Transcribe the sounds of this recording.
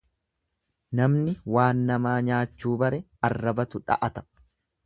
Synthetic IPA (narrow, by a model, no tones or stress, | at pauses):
nɐmnɪwaːnːɐmaːɲaːt͡ʃːuːbɐɾɛ | ɐrːɐbɐt̪ʊᶑɐ̰ʔɐt̪ɐ̥